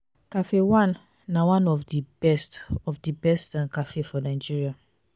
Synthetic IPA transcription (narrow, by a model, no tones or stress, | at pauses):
kafewãnː | awãnɔfdibɛstɔfdibɛstãnkafefɔnaɪd͡ʒiɹia